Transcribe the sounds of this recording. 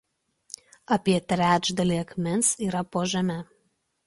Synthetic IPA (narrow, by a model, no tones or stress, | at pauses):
ɐpʲiɛt̪ʲɾʲæːd͡ʒd̪ɐlʲiːɐkmʲɪnsiːɾɐpoːʒʲɐmʲɛ